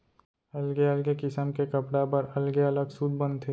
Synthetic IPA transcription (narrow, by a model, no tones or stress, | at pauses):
ɐlɡeɐlɡekɪsəmkekɐpɽapɐɾɐlɡeɐləɡsuːd̪̚bə̃nd̪t̪ʰːe